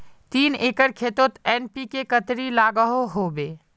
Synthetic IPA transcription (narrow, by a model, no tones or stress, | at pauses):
t̪iːneːkəɾkʰeːt̪ot̪ɛːnpikekət̪ɾilaːɡəɦoɦoːbeː